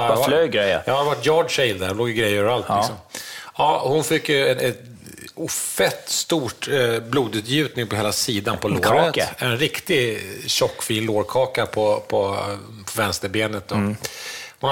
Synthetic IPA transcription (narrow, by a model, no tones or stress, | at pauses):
vaøɡɾɛj̰jːavaʈːjoːɖʂɛɪld̪æɾhnloːɡjəɡɾɛjːɾəœːvəɾalt̪lɪkssɔmɑːhʊnfɪkːjɵɛnɛ | ufɛt̪ːst̪uːʈbluːd̪ʉ̟t̪ʰjʉ̟ːt̪nɪŋpʰɔɦeːlasiːd̪anpʰɔloːɾət̪ɛnɾɪkt̪ɪɕɔkːfiːnloːɾkʰɑːkapʰɔpʰɔ | pʰɔvɛnst̪əɾbeːnət̪̚d̪ɔ | hʊna